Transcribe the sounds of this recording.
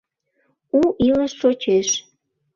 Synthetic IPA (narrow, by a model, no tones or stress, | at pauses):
uʔiləʃːot͡ɕeʃ